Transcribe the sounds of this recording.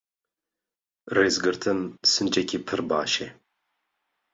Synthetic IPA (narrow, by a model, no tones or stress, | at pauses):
reːzɡɨɾt̪ʰɨnsɨnd͡ʒɛkʲʰipʰɨɾbaːʃe